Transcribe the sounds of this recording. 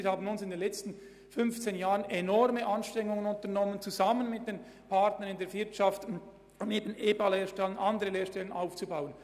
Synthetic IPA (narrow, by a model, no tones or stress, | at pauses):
ɪhaːbən̩ʊnsɪndenlɛt͡stn̩ | fʏnft͡seːnjaːʁənɛnɔɾməʔɑnʃtʁ̥ɛŋːʊŋənʊntənɔmənt͡suzamənmɪt̚d̥eːn | pʰaɾtnənɪndeːɐvɪɾtʃɑft | ʊmeːbəneːbɑleːʃtɛlənʔɑndəɾəleːʃtɛlənʔaʊft͡subaʊən